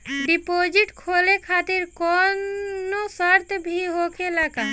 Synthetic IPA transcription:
ɖipod͡ʒiʈkʰolekʰat̪iɾkonnosɔɾt̪bʱiɦokʰelaka

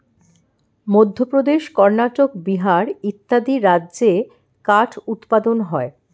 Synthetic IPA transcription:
mod̪ʱːopɾod̪eʃkɔɾnaʈok̚biɦaɾit̪ːad̪iɾadːʑe | kaʈʰut̪pad̪onɦɔe

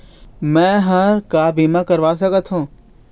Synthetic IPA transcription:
mɛ̃ːɦãːɾkaːbiːmãkəɾʋaːsɐkət̪ʰhũː

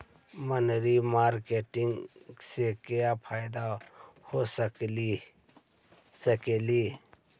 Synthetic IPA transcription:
mənɾimaːɾkeːʈɪŋɡsekejapʰaːɪd̪ahosə | səkeli

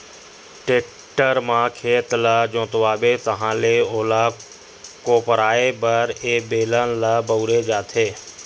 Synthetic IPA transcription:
ʈeːk̚ | ʈəɾmãːkʰeːt̪ləd͡ʒõːt̪ʊʋaːɓeːt̪əɦãːleːoːlaː | koːpəɾaːeːbəɾeːɓeːlənləbəʊɾeːd͡ʒaːt̪ʰeː

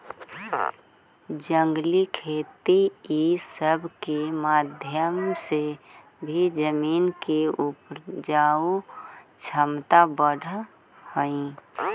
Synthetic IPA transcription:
d͡ʒə̃ŋɡlikʰeːt̪iːsəbʱkemaːd̪ʱjəmse | bʱid͡ʒəmiːnkeʊpd͡ʒaːut͡ʃʰəmt̪abəɽ̤ʱ | həĩ

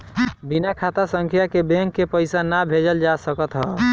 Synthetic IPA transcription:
binakʰat̪asəŋkʰjakebeŋkːepəɪsanabʱed͡ʒəld͡ʒasəkət̪ɦə

